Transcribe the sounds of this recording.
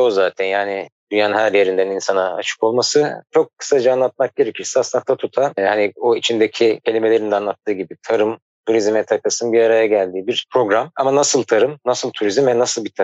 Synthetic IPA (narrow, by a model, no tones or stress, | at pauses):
ozaːt̪ʰɛnjaːnid̪yjanɦæɾje̞ɾind̪æninsana̰ːt͡ʃʰɯ̥ko̞lˠmasɯt͡ʃʰo̞kːʰɯ̥sad͡ʒaanlˠat̪̚mak̚ɟe̞ɾecʰiɾsɛasɯnd̪at̪ʰat̪ʰut̪ʰahanioit͡ʃʰind̪ecʰicʰelʲime̞lʲe̞ɾind̪ɛanlˠat̪ʰːɯːɟibit̪ʰaɾɯm | t̪ʰuɾizmɛt̪ʰakasɯnbiɾaɾajaɟælʲd̪iːbiɾpʰɾo̞ɡɾamamanasɯlˠt̪ʰaɾɯmnasɯlˠt̪ʰuɾizimvɛnasɯlˠbit̪ʰa